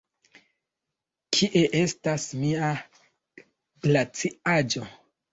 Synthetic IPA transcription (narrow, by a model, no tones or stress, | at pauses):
kʰiʔe̞ʔe̞stasmia | ɡlat͡siad͡ʒo̞